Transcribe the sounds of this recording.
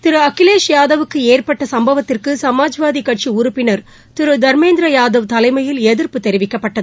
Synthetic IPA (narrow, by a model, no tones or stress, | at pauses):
t̪ɪɾɯɐkːɪleːʂjaːðɐʋɯkːɯeːrpɐʈːɐsɐmbɐʋɐt̪ːɪrkɯsɐmaːd͡ʒʋaːðikɐʈ̚t͡ʃiʊɾʊpːɪnɐɾ | t̪ɪɾɯd̪ɐɾmeːnd̪ɾɐjaːðɐʋt̪ɐlɐɪmɐjɪlɛðɪrpɯt̪ːɛɾɪʋɪkːɐpːɐʈːɐðɯ